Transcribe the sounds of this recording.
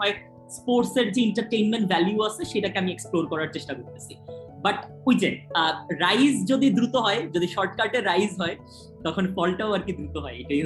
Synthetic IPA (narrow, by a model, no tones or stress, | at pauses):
ɔe | spoɾseɾd͡ʑeiɳʈaɾʈejnmeɳʈvɛljuat͡ɕʰeʃejʈakeamieksploɾkɔɾaɾt͡ɕeʃʈakoɾt̪et͡ɕʰibaʈ | ojd͡ʑenɾajzd͡ʑod̪id̪ɾut̪oɦɔed͡ʑod̪iʃɔɾʈkaɾʈeɾːajzɦɔe | t̪ɔkʰonfɔlʈaoaɾkid̪ɾut̪oɦɔeeʈai